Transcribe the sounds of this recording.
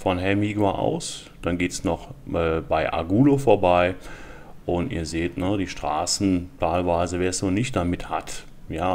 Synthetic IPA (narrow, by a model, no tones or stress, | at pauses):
fɔnɦɛmiɡoʔa̰ʊs | d̥anɡeːtsnɔχʔɛːbaɪʔa̰ɡuːlofoːɐbaɪ | ʔʊntḭːɐzeːtnədiːʃtʁ̥a̰ːsn̩tʰaɪlvaɪzəveːɐsz̥oːnɪçt̚d̥amɪthat | jaː